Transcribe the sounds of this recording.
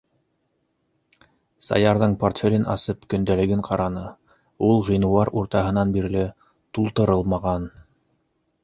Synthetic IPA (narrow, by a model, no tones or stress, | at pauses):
sɑ̰jɑɾðɤɴport̪fʲelʲɘnʔɑ̰sɤpkɵ̆nd̪ælɘ̆ɡɘɴqɑɾɑnɤ | ulˠʁĭnŭwɑɾuɾt̪ɑɦɤ̆nɑnbiɾlɘ | t̪ulˠt̪ɤ̆ɾɤlˠmɑʁɑn